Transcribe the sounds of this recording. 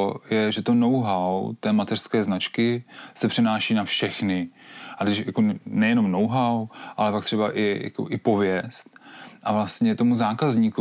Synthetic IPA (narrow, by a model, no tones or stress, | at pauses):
jɛʒɛt̪o̞no̞wɦawt̪ɛːmat̪ɛr̥skɛːznat͡ʃkɪsɛpr̝̥ɛnaːʃiːnafʃɛxnɪʔad̪ɛʃja̰konɛjɛno̞mnowɦawʔalɛpak̚t̪r̝̥ɛbaʔɪja̰ko̰ʔɪpo̞vjɛst̪̚ʔavlast̪ɲɛt̪o̞muzaːkazɲiːku